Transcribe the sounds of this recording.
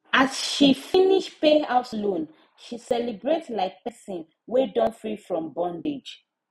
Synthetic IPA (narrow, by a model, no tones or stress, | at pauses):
asʃifĩniʃpeaʊslõn | ʃisɛlibɹetlaɪk̚pɛsĩn | wedɔ̃nfɹifɹɔ̃mbɔ̃nded͡ʒ